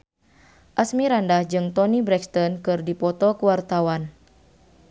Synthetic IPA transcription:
ʔasmiɾandahd͡ʒɨŋt̪ɔnibɾɛkst̪ɔnkɨrdipɔt̪ɔkuwart̪awan

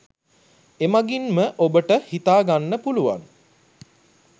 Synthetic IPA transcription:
emaɡinməʔobəʈəhit̪aːɡanːəpuluʋa̰n

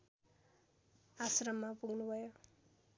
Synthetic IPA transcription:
asrʌmːapuɡnubʱʌjo

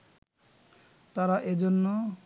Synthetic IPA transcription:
t̪aɾaʔed͡ʑonːo

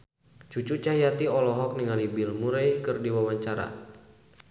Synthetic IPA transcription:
t͡ʃut͡ʃut͡ʃaɦijat̪iɔlɔɦɔk̚niŋalibilmuɾajkɨrdiwawaɲt͡ʃaɾa̰

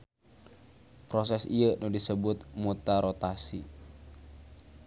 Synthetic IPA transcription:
pɾosɛsijənudisəbʊt̪̚mut̪aɾot̪asi

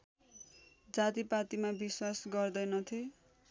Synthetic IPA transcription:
d͡zat̪ipat̪imabiswasɡʌrd̪ʌjnʌt̪ʰe

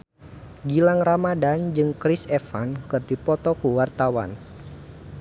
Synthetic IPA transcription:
ɡilaŋramadand͡ʒɨŋkɾisɛfankɨrdipɔt̪ɔkuwart̪awa̰n

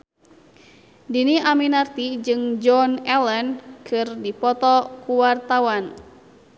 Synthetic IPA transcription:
diniʔaminart̪id͡ʒɨŋd͡ʒɔnɛlɛnkʰɨrdipɔt̪ɔkuwart̪awan

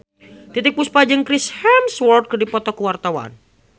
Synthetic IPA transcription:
t̪it̪ɪk̚puspad͡ʒəŋkɾishɛmswɔrt̪̚kərdipɔt̪ɔkuwart̪awa̰n

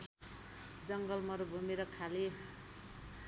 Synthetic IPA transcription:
d͡zʌŋɡʌlmʌɾubʱumeɾʌkʰale

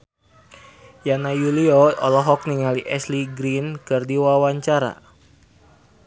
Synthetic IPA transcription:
janajuliɔɔlɔɦɔk̚niŋaliʔɛsliɡɾinkɨrdiwawaɲt͡ʃaɾa̰

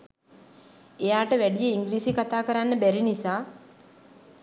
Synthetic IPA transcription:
ejaːʈəʋæɖijəiŋɡɾiːsikat̪aːkəɾanːəbæɾinisaː

